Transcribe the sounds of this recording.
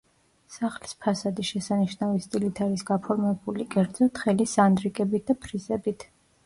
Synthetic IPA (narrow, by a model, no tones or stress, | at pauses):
saχlispʰasad̪iʃɛsaniʃnavist̪ʼilit̪ʰaɾisɡapʰɔɾmɛbulikʼɛɾd̪zɔt̪ʰχɛlisand̪ɾikʼɛbit̪̚ʰd̪apʰɾizɛbit̪ʰ